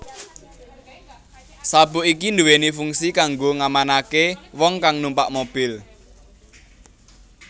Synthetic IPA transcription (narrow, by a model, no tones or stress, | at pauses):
sabṳʔikind̪uwenifuŋsikaŋɡoŋamanakewɔŋkaŋnumpaʔmob̥ɪl